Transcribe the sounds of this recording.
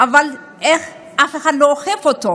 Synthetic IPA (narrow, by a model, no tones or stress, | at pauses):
ʔaval | eχ | ʔafeχadloːχefoto